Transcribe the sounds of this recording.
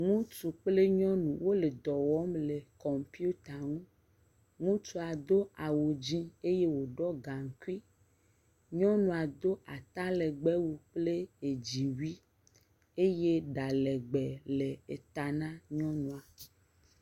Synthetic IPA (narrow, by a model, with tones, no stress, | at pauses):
ŋũ˦t͡ʃu˨k͡ple˦ɲɔ̃˦nũ˨wo˦le˨d̪ɔ˨wɔ˦mle˨kɔ˨mpi˦u˦t̪a˨ŋũ˦ | ŋũ˦t͡ʃu˨a˨d̪o˦a˨wo˨d͡ʑĩ˦e˦je˦wo˨ɖɔ˦ɡa˨ŋ˨ku˦i˦ | ɲɔ̃˦nũ˨a˨d̪o˦ʔa˨t̪a˦lɛ˨ɡ͡bɛ˦wu˨k͡ple˦e˨d͡ʑi˨wi˦ | e˦je˦ɖa˨lɛ˨ɡ͡bɛ˨le˨e˨t̪a˨nã˦ɲɔ̃˦nũ˨a˨